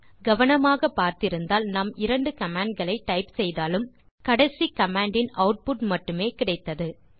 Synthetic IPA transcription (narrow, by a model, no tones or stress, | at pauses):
ɡɐʋɐnɐmaːɣɐpaːɾt̪ɪɾɯnd̪aːlnɐmɪɾɐɳɖɯkɐmaːɳɖ̚ɡɐɭɐɪʈːɐɪpsɛjðaːlɯm | kɐɽɐsikɐmaːɳɖɪnɐʊʈ̚pʊʈmɐʈːɯmeːkɪɽɐɪt̪ːɐðɯ